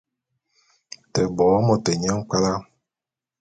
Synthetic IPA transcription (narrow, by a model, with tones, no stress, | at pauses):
tə˨bɔː˨˦mɔ˨te˨ɲɛ˦ŋ̩˦k͡pa˦la˦